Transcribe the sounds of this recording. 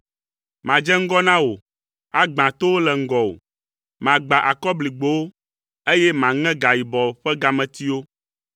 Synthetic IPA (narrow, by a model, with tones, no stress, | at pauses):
mã˨d͡ʒɛ˦ŋ̩˦ɡɔ˦nã˦wo˨ | a˦ɡ͡bã˨t̪o˦wo˦lɛ˨ŋ̩˦ɡɔ˨wo̰˨ | mã˨ɡ͡ba˨ʔa˨kɔ˦bli˨ɡ͡bo˦wo˦ | e˦jɛ˦mã˨ŋɛ̃˦ɡa˨ji˨bɔ˨ɸɛ˦ɡa˨mɛ̃˨t̪i˦wo˦